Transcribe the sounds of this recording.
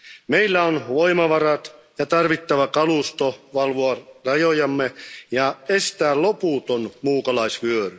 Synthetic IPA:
meilːæonʋoimɑʋɑrɑt̪ | jɑt̪ɑrʋit̪ːæʋækɑluˑst̪oʋɑlʋoɑrɑjojɑmːejɑest̪æːllopuːˑt̪onmuːkɑlɑisʋyøry

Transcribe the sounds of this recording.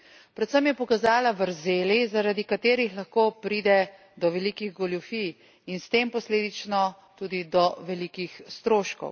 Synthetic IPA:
pɾɛt̪səmjɛpɔkazaːlaʋəɾzeːlizaɾad̪ikat̪eːɾixlaxkoːpɾiːd̪ɛ | d̪ɔʋɛlikiɣɡɔljufij | inst̪eːmpɔsleːd̪it͡ʃnɔ | t̪uːd̪id̪ɔʋɛlikixst̪ɾoːʃkɔ̰w

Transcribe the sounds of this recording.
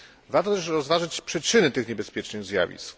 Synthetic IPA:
vaɾt̪ɔt̪ɛʂɾɔzvaʐɘt͡ɕpʂɛt͡ʂɘnɘt̪ɘxɲɛbɛspʲjɛt͡ʂnɘɣzʲja̰vʲḭsk

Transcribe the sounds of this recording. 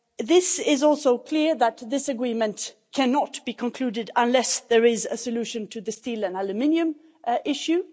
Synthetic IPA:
ðɪsɪzɔlˠsoʊkʰl̥ɪɹðət̪̚ðɪsɨɡɹĩmə̃nʔ | kʰænət̚b̥ikʰə̃nkʰl̥ʉdɪdə̃nlɛsðə˞ɪzɨsɨlʉʃɨ̃ntʰɨðɨstilˠə̃nælɨmɪ̃niɨ̃m | ʔɪʃjʉ

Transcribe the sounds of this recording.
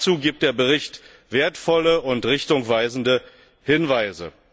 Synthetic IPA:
t͡suːɡiːp̚t̚d̥eːɐbəʁɪçt | v̥eːɐtfɔləʊntʁɪçtʊŋv̥aɪzn̩də | hɪnvaɪzə̰

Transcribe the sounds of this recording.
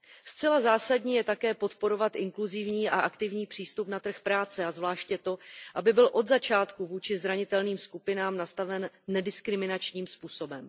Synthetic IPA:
st͡sɛlazaːsadɲiːjɛt̪akɛːpo̞t̪po̞ɾo̞vat̪ʔɪŋkluzɪvɲiːʔaʔakt̪ɪvɲiːpr̥iːst̪upnat̪r̩xpɾaːt͡sɛazvlaːʃcjɛt̪o̞ʔabɪbɪlʔo̞d̪zat͡ʃaːt̪kuvuːt͡ʃɪzɾaɲɪt̪ɛlniːmskupɪnaːmnast̪avɛnːɛdɪskɾɪmɪnat͡ʃɲiːmspuːso̞bɛm

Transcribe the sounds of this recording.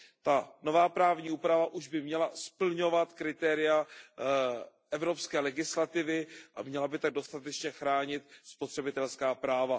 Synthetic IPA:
t̪ano̞vaːpɾaːvɲiːʔuːpɾavaʔuʒbɪmɲɛlaspl̩ɲo̞vat̪kɾɪt̪ɛːɾɪja | ʔɛvɾo̞pskɛːlɛɡɪslat̪ɪvɪʔa̰mɲɛlabɪt̪aɡ̚do̞st̪at̪ɛt͡ʃɲɛxɾaːɲɪt̪̚spot̪r̝̥ɛbɪt̪ɛlskaːpɾaːva

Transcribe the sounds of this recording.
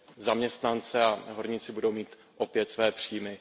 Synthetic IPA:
zamɲɛst̪nant͡sɛaɦo̞ɾɲɪt͡sɪbudo̞wmiːt̪ | ʔo̞pjɛt̪svɛːpr̝̥iːjmɪ

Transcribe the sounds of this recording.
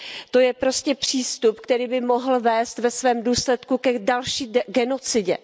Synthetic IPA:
t̪o̞jɛpɾo̞scɛpr̝̥iːst̪upkt̪ɛɾiːbɪmo̞ɦl̩vɛːst̪vɛsvɛːmduːslɛt̪kukɛdalʃiːɡɛno̞t͡sɪɟɛ̰

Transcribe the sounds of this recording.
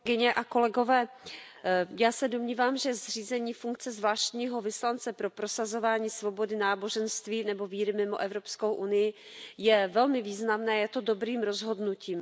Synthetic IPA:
ɡɪɲɛʔako̞lɛɡo̞vɛː | jaːsɛdomɲiːvaːmʒɛzr̝iːzɛɲiːfuŋk̚t͡sɛzvlaːʃt̪ɲiːɦo̞vɪslant͡sɛpɾo̞pɾo̞sazo̞vaːɲiːsvo̞bo̞dɪnaːbo̞ʒɛnst̪viːnɛbo̞viːɾɪmɪmo̞ʔɛvɾo̞pskowʔunɪjɪ | jɛvɛlmɪviːznamnɛːjɛt̪o̞do̞bɾiːmɾo̞zɦo̞dnuciːm

